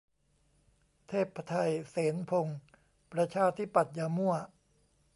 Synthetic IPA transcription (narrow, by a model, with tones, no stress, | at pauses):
t̪ʰeː˥˩t̪̚pʰːa˧t̪ʰa˧jseː˩˦npʰo˧ŋ | pɾa˧t͡ɕʰaː˧t̪ʰi˦˥˩pa˨˩t̪̚jaː˧mu˥˩ɐ